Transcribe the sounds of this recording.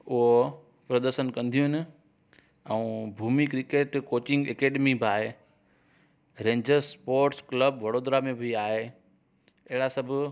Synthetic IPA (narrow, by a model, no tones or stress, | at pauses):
ʊɦo | pɾɐd̪əɾʃənkɐ̃nd̪ʱijʊɪnɪ | ɛũbʱuːmikɾɪkeːʈkoːt͡ɕɪ̃ŋɡekeːɖemibʱaːɦeː | ɾẽːɲd͡ʑəɾspoːɾʈskləbʋɐɽoːd̪ɾamẽbʱiaːɦe | ɐɦɪɽasɐbʱʊ